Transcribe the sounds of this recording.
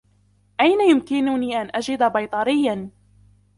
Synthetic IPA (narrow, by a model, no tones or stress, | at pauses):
ʔajnajʊmkɪnʊniːʔanʔad͡ʒɪd̪abɑjt̪ˤɑɾɪjːan